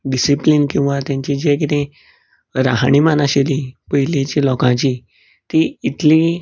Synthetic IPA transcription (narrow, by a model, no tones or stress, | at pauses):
ɖisiplinkĩw̃ʋat̪jãɲt͡ɕid͡ʑekit̪ẽ | ɾa̰ɦaɽ̃imanaɕelipəɦilet͡ɕilɔkãt͡ɕi | t̪iit̪li